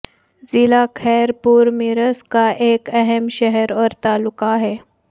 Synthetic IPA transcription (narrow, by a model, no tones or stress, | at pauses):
zilakʰɛːɾpuːɾmiɾəskaʔeːkɛɦɛmʃɛɦəɾɔːɾt̪alukaɦɛː